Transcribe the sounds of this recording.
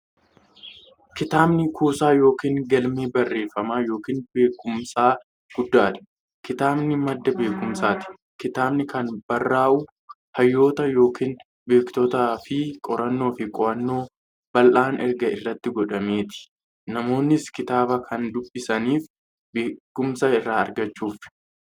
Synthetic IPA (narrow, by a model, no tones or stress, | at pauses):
kɪt̪aːbnɪkʰuːsaːjo̞ːkiːŋɡɐlmeːbɐrːe̞ːfːɐmaːjo̞ːkiːnbe̞ːkːʊmsaː | ɡ̥ʊd̪ːaːt̪ɪ̥ | kɪt̪aːbnɪmɐd̪ːɐbe̞ːkʊmsaːt̪ɪ̥ | kɪt̪aːbnɪkɐnb̥ɐrːaːʔʊ | hɐjːo̞ːt̪ɐjo̞ːkiːn | be̞ːkt̪ɔt̪aːfɪkʼɔɾɐnːo̞ːfɪkʼɔɾɐnːo̞ː | b̥ɐlʔaːnɛɾɡɐɪrːɐt̪ːɪɡɔᶑɐmeːt̪ɪ̥ | nɐmo̞ːnːɪskɪt̪aːbɐkʰɐnd̪ʊbːɪsɐniːf | beːkːʊmsɐɪrːaːɐ̰ɾɡɐt͡ʃːuːf